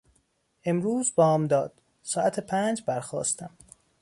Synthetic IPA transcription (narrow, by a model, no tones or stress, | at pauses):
ʔe̞mɾuːzbɒːmd̪ɒːd̪̥ | sɒːʔæt̪ʰepʰæːnd͡ʒbæɾxɒ̰ːst̪æm